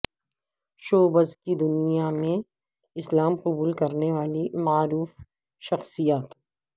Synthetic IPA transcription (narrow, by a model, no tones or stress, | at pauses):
ʃoːbəzkid̪ʊnijamẽ | ɪslaːmqʊbuːlkɐɾneʋaːlimaːɾuːf | ʃɐxsijaːt̪